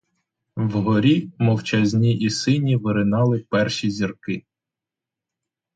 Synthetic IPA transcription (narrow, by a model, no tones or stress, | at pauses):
wɦɔɾʲimɔwt͡ʃɐzʲnʲiʔisɪnʲiʋɪɾɪnɑlˠɪpɛrʃʲizʲirkɪ